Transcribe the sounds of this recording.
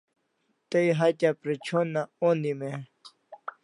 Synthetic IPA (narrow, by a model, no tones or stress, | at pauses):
t̪əiɦatapɾet͡ɕʰonːãond̪ime